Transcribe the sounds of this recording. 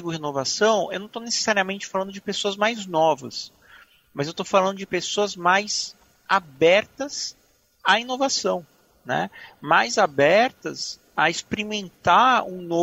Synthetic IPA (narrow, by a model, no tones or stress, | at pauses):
ɡʊhenovasɐ̃w̃ewnɐ̃w̃t̪onese̥saɾiɐmẽnt͡ʃɪ̥falɐ̃nd̪ʊd͡ʒɪpesoɐzmajznɔvɐ̰s | mɐzewt̪ofalɐ̃nd̪ʊd͡ʒɪpesoɐzmajz | abɛɾt̪ɐs | ainovasɐ̃w̃ | nɛ̰majzabɛɾt̪ɐs | ɐɪspeɾimẽnt̪aɾṵ̃no